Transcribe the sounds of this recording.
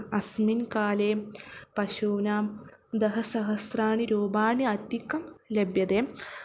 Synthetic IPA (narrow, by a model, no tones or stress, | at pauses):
ɐsminkaːleːmpɐʃuːnaːmd̪ɐɦɐsɐɦɐsraːɳiɾoːbaːɳiɐt̪ikːɐmlebjɐd̪eːm